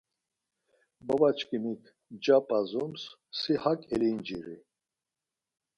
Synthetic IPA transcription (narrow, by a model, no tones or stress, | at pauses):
babat͡ʃʰkʰʼinikʰ | d͡ʒapʼazums | sihakʼɛlind͡ʒiɾḭ